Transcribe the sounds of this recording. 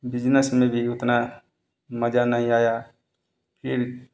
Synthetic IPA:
bɪd͡ʒnəsmẽbʱiʊt̪na | məd͡ʒanaːĩaːjaː | pʰɪɾ

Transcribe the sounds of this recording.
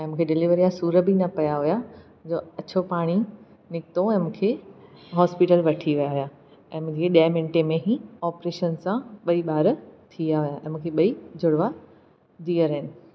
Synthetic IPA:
ɛ̃ːmũːkʰeɖɪliʋəɾijasuːɾəbinɐpɐjaɦuja | d͡ʑoːɐt͡ɕʰopaːɽ̃i | nɪkɪt̪oɛ̃ːmũːkʰeːɦɔːspiʈəlʋɐʈʰiʋijaɦʊja | ɛ̃ːmũːeɗiəmɪ̃nʈemẽɦiɔːpɾeːʃənsãɓɐiɓaːɾt̪ʰijaɦujaʔɛ̃ːmũːkʰeɓɐid͡ʑʱʊɽʋa | d̪iːəɾəɦɪnɪ̆

